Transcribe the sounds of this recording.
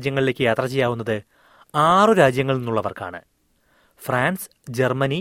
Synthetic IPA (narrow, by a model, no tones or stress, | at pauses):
d͡ʑjɐŋːɐɭile̞kːɨjaːt̪rɐt͡ɕejːaːʋunːɐðɨ | aːrɨɾaːd͡ʑjɐŋːɐɭninːuɭːɐʋɐrka̰ːɳɨ̰ | fraːns | d͡ʑermɐni